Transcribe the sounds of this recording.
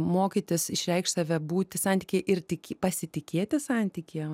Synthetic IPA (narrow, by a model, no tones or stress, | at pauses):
moːkʲiːt̪ʲɪsɪʃʲɾʲɛɪkʃtsɑʋʲɛbuːt̪ʲɪsɑnʲt̪ʲiːkʲeːʔɪrt̪ʲɪkʲːpɐsʲɪt̪ʲɪkʲeːt̪ʲɪsɑˑnʲt̪ʲiːkʲeː